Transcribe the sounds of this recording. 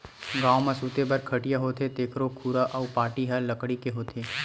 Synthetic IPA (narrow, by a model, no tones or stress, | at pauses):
ɡãːomãsuːt̪ebɐɾkʰɐʈijaɦoːt̪ʰet̪eːkʰɾokʰuːɾaʔɔːpaːʈiɦalɐkɽikeɦoːt̪ʰeː